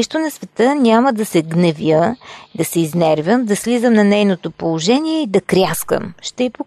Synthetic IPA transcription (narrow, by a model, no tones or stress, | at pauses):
ɛʃt̪onɐsvɛt̪ənʲaməd̪ɐsɛɡnɐvʲjəd̪ɐsɛiznɛɾvʲəmd̪ɐslizəmnɐnɛjnot̪opolˠoʒɛniɛid̪ɐkɾʲjaskə̰mʃt̪ɛipo